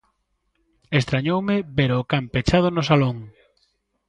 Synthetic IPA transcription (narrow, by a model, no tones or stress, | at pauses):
est̪ɾaɲowmɪbeɾʊkampet͡ʃað̞ʊnʊsaloŋ